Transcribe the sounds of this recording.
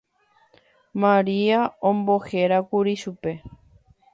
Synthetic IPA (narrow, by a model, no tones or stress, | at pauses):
mãɾiaõmboheɾakuɾiʃupe̞